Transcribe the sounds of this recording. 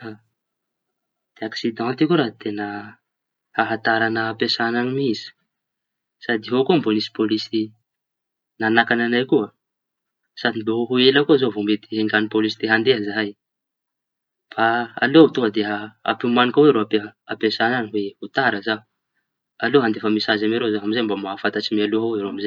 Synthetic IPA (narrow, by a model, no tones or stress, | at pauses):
a | d̪̥eaksid̪ɑ̃nt̪ikuɾat̪enə | haɦat̪aɾanəapesananimizi̥ | sad̪iɦokumbonisi̥polisi | nanakananajkua | sad̪inbeɦoɦuelakuazovomet̪iɦeŋɡanipolisid̪̥eɦand̪eɦəzaɦaj | b̥aa̰lout̪oəd̪eaa̰pimanikaweɾoapeapesananiweut̪aɾəzau | aloɦand̪efəmisazameɾozaɦamizejmbamafat̪at͡ʃimialuɦaeɾoamize